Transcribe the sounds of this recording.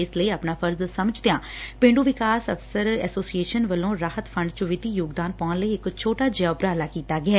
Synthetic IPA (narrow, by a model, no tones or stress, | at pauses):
ɪsləiːaːpnaːpʰəɾzsəməd͡ʒd̪ɪjãːpẽːɳɖuːʋɪkaːsəfʰsəɾɛ̰ːsoːsieːʃənʋəlõːɾaːɦət̪pʰəɳɖt͡ʃəʋɪt̪iːjoːɡd̪aːnpɔ̃ːnləiːɪkt͡ʃʰoːʈaːd͡ʒaːbɾaːlaːkiːt̪aːɡɪɛː